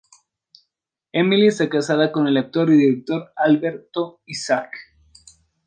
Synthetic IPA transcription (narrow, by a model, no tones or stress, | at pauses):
emilisekasaðako̞ne̞lak̚t̪o̞ɾiðiɾek̚t̪o̞ɾalβeɾt̪oisak